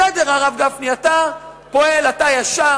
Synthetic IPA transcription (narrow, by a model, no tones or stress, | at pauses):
edeʁaʁavɡafniata | po̞elatajaʃa